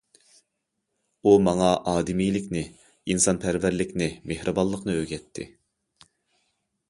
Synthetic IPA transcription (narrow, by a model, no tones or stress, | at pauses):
umɑŋɑʔɑːd̪ɪmijlɪkʲnɪ | insɑnpʰæɾvæɾlɪkʲnɪmehɾɨbɑlˠːəqnɨøɡʲɛt̪ʰːɪ̰